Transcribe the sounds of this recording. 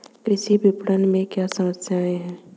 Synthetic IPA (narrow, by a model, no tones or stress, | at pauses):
ɪsibʱɪpɽənmẽkjasɐməsjaẽɦɛ̃ː